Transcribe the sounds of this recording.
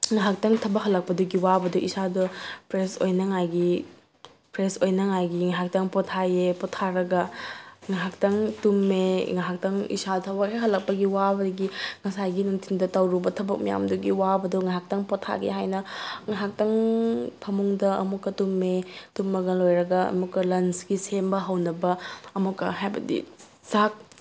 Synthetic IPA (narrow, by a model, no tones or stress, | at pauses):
ŋaɦak̚taŋtʰɐbɐkɦɐlɐk̚pɐduɡiwabɐduʔisadɐpɾesojnɐŋajɡi | pɾesojnɐŋajɡiŋaɦak̚taŋpɔtʰajepɔtʰːaɾɐɡɐŋaɦak̚taŋtumːeŋaɦak̚tɐŋḭsadtʰɐbɐkɦajɦɐlɐk̚pɐɡiwabɐduɡiŋɐsajɡinuntʰindɐtɐwɾubɐtʰɐbɐk̚mija̰mduɡiwabɐduŋaɦak̚taŋpɔtʰa̰ɡḛɦajnɐŋaɦak̚tɐŋpʰɐmuŋdɐɐ̰mukːɐtumːetumːɐɡɐlojɾɐɡɐɐ̰mukːɐlɐnsɡisembɐɦɐwnɐbɐɐmukːɐɦajbɐ̰dḭ | zak̚